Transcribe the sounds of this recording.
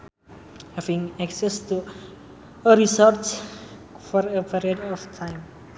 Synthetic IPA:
hɛvĩŋæksɛstu | əɾisɔɾts | fɔɾəpiɾiədɔftʰãj̃m

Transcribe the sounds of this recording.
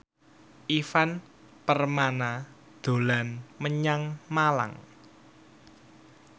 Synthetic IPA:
ʔifan | pərmana | d̪̥o̤lanməɲaŋmala̰ŋ

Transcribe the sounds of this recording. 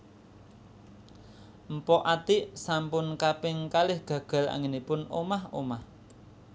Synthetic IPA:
m̩pɔʔat̪ɪʔsampʊnkapɪŋkalɪhɡ̥ä̤ɡ̥ä̤la̰ŋɪnipʊno̰mahomah

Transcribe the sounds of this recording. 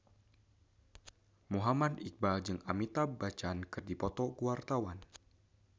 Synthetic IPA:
muɦamadik̚bad͡ʒɨŋamit̪abat͡ʃankɨrdipɔt̪ɔkuart̪awan

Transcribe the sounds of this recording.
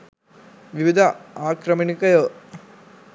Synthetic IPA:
ʋiʋid̪ʱɐaːkɾɐminikɐjo

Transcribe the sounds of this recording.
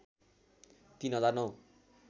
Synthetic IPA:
t̪inɦʌd͡zarnʌw

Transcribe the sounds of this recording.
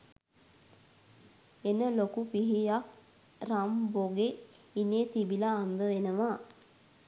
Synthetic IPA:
enəlokupiɦijak̚ | ramboɡeineːt̪ibilaːnd̪əʋenəʋa

